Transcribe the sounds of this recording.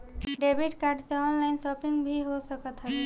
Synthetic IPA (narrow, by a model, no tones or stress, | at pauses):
ɖebʱiʈkaɾɖseɔnlaɪnsɔpiŋɡbʱiɦosəkət̪ɦəe